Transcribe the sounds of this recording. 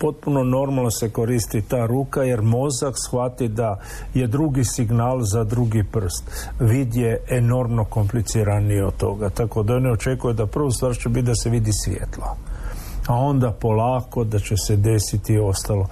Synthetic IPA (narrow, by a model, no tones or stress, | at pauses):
po̞t̪̚puno̞no̞ɾmalˠnoseko̞ɾist̪it̪aːɾuːkaje̞ɾmo̞zaksxʋat̪id̪a | je̞d̪ɾuɡisiɡnaːlˠzad̪ɾuɡipr̩st̪ʋiːd̪je̞eno̞ɾmno̞ko̞mplit̪siːɾaniod̪̚t̪ːo̞̰ɡat̪ako̞d̪aonio̞t͡ʃe̞kujed̪apr̩ʋust̪ʋaːɾt͡ʃebit̪̚d̪aseʋid̪isʋjḛt̪la | ao̞nd̪apo̞laːko̞d̪at͡ʃe̞sed̪e̞sit̪io̞st̪alˠo̞